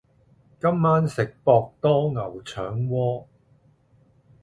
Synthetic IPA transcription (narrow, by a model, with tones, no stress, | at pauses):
kɐ˥mːaː˥nsɪ˨k̚pɔː˧k̚t̪ɔː˥ŋɐ˨˩wt͡ʃʰœ̰ː˨˥ŋwɔː˥